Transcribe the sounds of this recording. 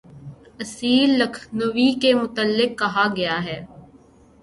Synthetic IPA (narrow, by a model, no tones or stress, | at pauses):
ɐsiːlːɐkʰnəʋikemʊt̪əlːɪkːɐɦaɡɐjaɦɛː